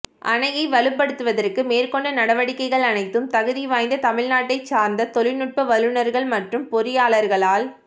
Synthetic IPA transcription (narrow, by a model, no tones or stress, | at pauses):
ʔɐ̰nɐjɐɪʋɐɭɯpːɐɽɯt̪ːɯʋɐðɐrkɯmeːrkɔɳɖɐnɐɽɐʋɐɽɪkːɐɪɣɐɭɐnɐɪt̪ːɯmt̪ɐɣɯðiʋaːjnd̪ɐt̪ɐmɪɻnaːʈːɐɪt͡ʃːaːɾnd̪ɐt̪ɔlɪnɯʈ̚pɐʋɐlɯnɐɾɣɐɭmɐʈrɯmpɔɾɪjaːɭɐɾɣɐɭaːl